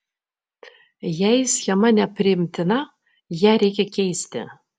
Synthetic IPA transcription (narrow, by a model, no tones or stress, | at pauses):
jɛjsxʲɛmɐnʲɛpʲrʲɪɪmʲt̪ʰʲɪnɐ | jæɾʲejkʲɛkʲʰejsʲt̪ʲɪ̰